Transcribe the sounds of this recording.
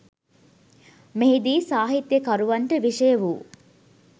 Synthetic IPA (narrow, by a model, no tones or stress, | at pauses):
meɦid̪iːsaːɦit̪jəkaɾuʋɐɳʈəʋiʂəjəʋuː